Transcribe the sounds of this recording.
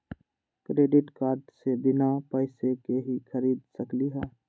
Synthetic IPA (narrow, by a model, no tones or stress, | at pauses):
kɾeːɖɪʈkaːɾɖsebɪnapəɪsekeɦikʰəɾiːd̪səkliɦɛ̃ː